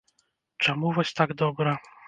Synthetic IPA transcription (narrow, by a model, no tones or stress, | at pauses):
t͡ʂɛmuvat͡ɕt̪aɡd̪ɔbɾa